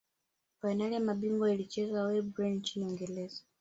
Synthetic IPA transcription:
fainalɛmaɓiŋɡɔilit͡ʃɛzawɛbɾɛnt͡ʃiniɔŋɡɛlɛza

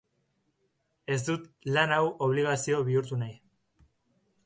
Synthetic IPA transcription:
e̞zd̪ut̪lanawʔo̞β̞liɣ̞asio̞βiuɾt̪unaj

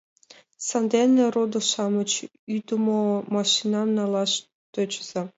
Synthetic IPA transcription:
sɑnd̪ʲenʲerod̪oʃɑmə̆t͡ɕ | yt̪umomɑʃinɑnnɑlˠɑʃ | t̪øt͡ɕz̥ɑ

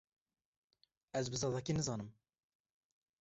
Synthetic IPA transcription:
ɛzbɨzɑd̪ɑkinɨzɑːnɨm

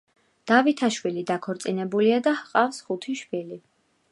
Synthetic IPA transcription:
d̪̥avit̪ʰaʃwilid̪akʰɔɾt̪sʼinɛbuliad̪ahqʼafsχut̪ʰiʃpili

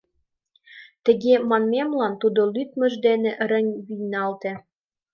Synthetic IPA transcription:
t̪ə̆ɣemɑnmemlɑnt̪ud̪olyt̪mə̆ʒd̪eneʔɾə̆nʲβijnɑlt̪ĕ

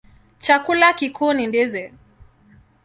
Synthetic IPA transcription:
t͡ʃakulakikunindizɛ

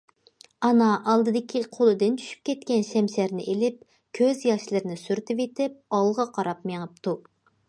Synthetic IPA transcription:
ɑnɑʔɑlˠd̪ɨd̪ɪkʲʰiqʰolˠɨd̪ɨnt̪ʰy̥ʃy̥p̚kʲʰɛt̪kʲɛnʃɛmʃæɾnɪ̰ʔelɪp̚ | kʲʰøzjɑʃlˠɨɾnɪsyɾt̪ʰɪvet̪ɪp̚ɑlˠʁɑqʰɑɾɑpmeŋɨp̚t̪ʰu

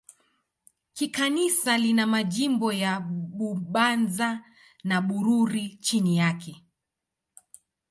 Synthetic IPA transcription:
kikanisalinamaʄimbɔjaɓuɓanza | naɓuɾuɾit͡ʃinijakʰɛ

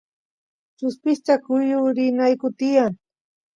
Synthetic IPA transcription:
t͡ʃʊspɪst͡ʃ̪akʊjʊɾɪnajkʊt̪ɪjaŋ

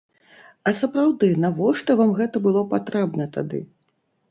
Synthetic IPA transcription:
ɐsɐpɾawd̪ɨnavɔʂt̪ɐvamɣɛt̪ɐbɨlˠɔpat̪ɾɛbnɐt̪a̰d̪ɨ̰

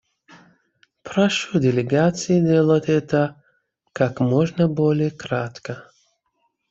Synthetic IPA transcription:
pɾaʃudʲɪlʲɪɡat̪sɨjɪdʲelˠətʲɛt̪ə | kakmoʐnəbolʲɪjəkɾat̪kə

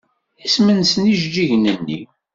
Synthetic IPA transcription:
ismənsəniʒd͡ʒiʝnənːḭ

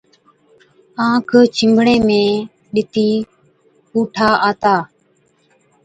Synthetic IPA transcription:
ãːkʰt͡ʃʰɪmbʱɽẽːmẽː | ɗɪt̪iː | kuːʈʰaːʔaːt̪aː

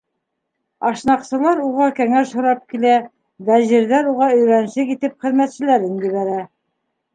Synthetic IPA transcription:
ɑʃnɑqsɤ̆lˠɑɾuʁɑkæŋæʃhŏɾɑp̚kilæ | væʑɘ̆ɾðæɾuʁɑɵ̆jɾæn̆ʃɘkit̪ɘpχɘ̆ðmæt̪sɘ̆læɾɘŋɡɵ̆βæɾæ

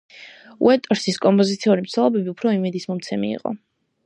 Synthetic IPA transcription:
ṵɛt̪ʼɔɾsiskʼɔmpʼɔzit̪sʰiuɾimt̪sʰɛlˠɔbɛbiupʰɾɔimɛd̪ismɔmt̪sʰɛmḭːqʼɔ̰

